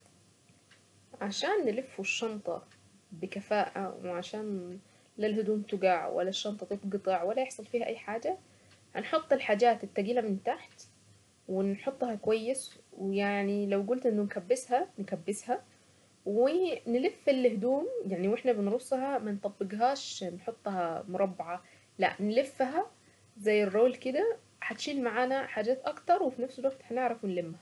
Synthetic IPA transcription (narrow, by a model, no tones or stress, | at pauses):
ʕaʃaːnːɪlɪfːuʃːɑnt̪ˤɑ̰ | bɪkafaːʔa̰wɪʕaʃaːn | lalhʊd̪uːmt̪ʊɡaʕwʔa̰lːaʃːɑnt̪ˤɑt̪ˤefɡɨt̪ˤɑʕwalːajɪħsˤɑlfiːhaʔajːħaːd͡ʒa | hanħot̪ˤːɪlħaːd͡ʒaːt̪ɪt̪ːaɡiːlamɪnt̪aħt̪ | wɪnħʊt̪ˤːhɑkwajːɪswɪjaʕnilawɡʊlt̪ʔɪnːʊnkabːɪshankabːɪsha | wɪnlɪfːɪlːɪhd̪uːmjaʕniwɪħnabɪnɾʊsˤːhɑmant̪ˤɑbːɪɡɦaːʃnħʊt̪ˤːhamʊɾˤɑbːʕa | la̰ʔnlɪfːɦa | zajːɪrːoːlkɪd̪a | ħat̪ʃiːlmaʕaːnaħaːd͡ʒaːt̪ʔɑkt̪ɑɾˤwɪfinafsɪlwaɡ̚t̪hanɪʕɾˤɑfwɪnlɪmːha